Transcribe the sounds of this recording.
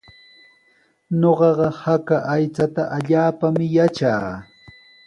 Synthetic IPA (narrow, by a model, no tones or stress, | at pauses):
ɲoɢɑɢɑhakaʔajt͡sat̪aʔaʎaːpamɪjat͡ʃaː